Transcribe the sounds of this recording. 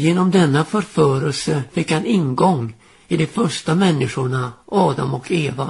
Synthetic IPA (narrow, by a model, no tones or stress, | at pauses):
jeːnɔmd̪ɛnːafœɾfœːɾəlsəfɪkːhanɪnɡɔŋː | ɪd̪ɛfœʂʈamɛnːɪʂʊɳaʔɑːd̪amɔkʰeːva̰